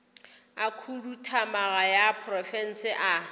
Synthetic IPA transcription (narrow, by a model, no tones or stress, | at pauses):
akʰulutʰamaɣajapʰrɔfɛn̩sɪʔa